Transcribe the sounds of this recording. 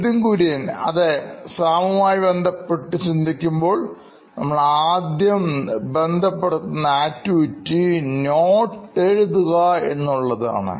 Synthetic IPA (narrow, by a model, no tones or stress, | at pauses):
ðiŋkuːɾenɐ̰ðesaːmɐmaːjibe̞nd̪ʱɐpːeʈːɨt͡ɕind̪ʱikʲːumbo̞ːɭ | nɐmːɐɭaːd̪jɐmbe̞nd̪ʱɐpːeɽut̪ːunːɐaːtːuitːinoːʈːeɻuðuɣɐe̞nːuɭːɐða̰ːɳɨ̰